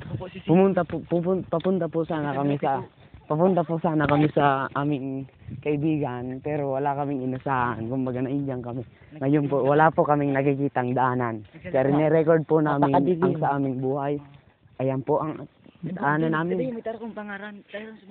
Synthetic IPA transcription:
pʊmʊnt̪ɐpopʊpʊpɐpʊnt̪ɐpʊsaːnɐkɐmɪsɐ | pɐpʊnt̪ɐpʊsaːnɐkɐmɪsɐʔaːmɪŋkɐʔɪbiːɡanpɛːɾowɐlakɐmɪŋɪnɐsaːʔankʊmbɐɡanɐʔɪɲd͡ʒaŋkɐmɪ | ŋɐjonpowɐlapokɐmɪŋnɐkɪkiːt̪ɐŋd̪ɐʔaːnant͡ʃɛɾɪnɛɾɛkoɹd̪̚pʊnaːmɪɐŋsɐʔaːmɪŋbuːhaj | ʔɐjanpoʔɐŋd̪ɐʔaːnɐnːaːmɪnɐŋaɾ

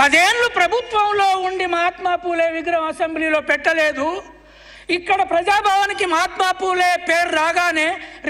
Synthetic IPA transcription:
pɐd̪eːnlupɾɐbʱut̪ʋɐmloːuɳɖimɐɦaːt̪maːpuːleːʋiɡɾɐmɐsɐmblilo̞ːpɛʈːɐleːd̪u | ikːɐɽɐpɾɐd͡ʒaːbʱaːʋɐnikimɐɦaːt̪maːpuːleːpeːɾɾaːɡaːneː

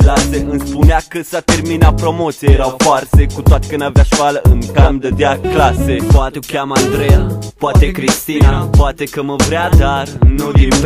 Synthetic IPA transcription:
klaseʔɨnspuneakəsat̪e̞rminapɾo̞mo̞t̪siejeɾawfoarsekut̪oat̪e̥kɨnd̪aveaʃkaləʔɨŋkamd̪əd̪eaklasepoat̪ekʲamand̪ɾejapoat̪e̞kɾist̪inapoat̪ekəməvɾead̪arnud̪ip

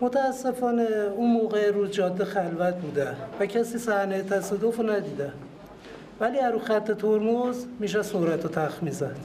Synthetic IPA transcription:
mot̪ʰæːsːe̞fɒːneunmoːɣeɾuzd͡ʒɒːd̪ːexælvæt̪̚ʰbuːd̪ævæcʰæsiːsæhneet̪ʰæsɒːd̪ofonæd̪iːd̪æ | væliːæɾuxæt̪ʰːe̞t̪ʰoɾmozmiːʃ̬æsoɾæt̪ʰot̪ʰæxmiːzæd̪̥

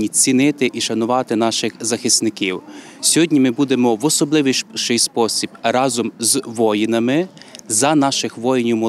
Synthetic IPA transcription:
nʲit͡sʲinɪt̪ɪʔiʃɐnʊʋɑt̪ɪn̪ɑʃɪxzɐxɪst̪nɪkiw | sʲɔɦɔdʲnʲimɪbud̪emɔʋɔsɔblˠɪʋiʃɪjspɔsʲib̥rɑzɔmzʋɔjinɐmɪzɐnɑʃɪxʋɔjɪnʲʊmɔ

